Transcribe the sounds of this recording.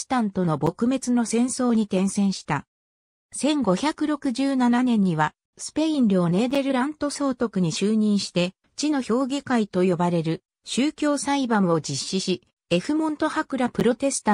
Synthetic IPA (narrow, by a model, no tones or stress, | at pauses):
t̪ãnt̪o̞no̞bo̞kɯ̟me̞t͡sɨno̞sẽ̞ɰ̃so̞ːɲ̟it̪ẽ̞ɰ̃sẽ̞ɰ̃ɕi̥t̪a | sẽ̞ŋɡo̞çʲakɯ̟ɾo̞kɯ̟ʑɨːnananẽ̞ɲ̟ːiβa | sɨ̥pe̞ĩnɾʲɯone̞ːd̪e̞ɾɯ̟ɾãnt̪o̞so̞ːt̪o̞kɯ̟ɲ̟iɕɨːɲ̟ĩɰ̃ɕi̥t̪e̞ | t͡ɕino̞ço̞ːɡʲikait̪o̞jo̞baɾe̞ɾɯ̟ | ɕɨːkʲo̞ːsaibãmo̞d͡ʑiɕːiɕi | e̞ɸɯ̟mõ̞nt̪o̞hakɯ̟ɾapɯ̟ɾo̞t̪e̞sɨ̥t̪a